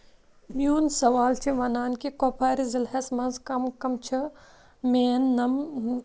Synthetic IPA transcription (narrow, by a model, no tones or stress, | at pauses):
mjuːnsɐʋaːlt͡ʃʰiʋɐnaːnkikoːpʰaːɾizilhɐsmɐnzkɐmkɐmt͡ʃʰɐ | meːnːɐm